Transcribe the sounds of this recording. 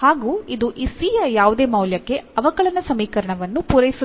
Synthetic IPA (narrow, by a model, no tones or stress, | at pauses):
haːɡuːid̪uʔisiːjɐjaːʋud̪e̞ːmɐwljɐkːe̞ɐʋɐkɐɭɐnɐsɐmiːkɐɾɐɳɐʋɐnːupuɾɐjisu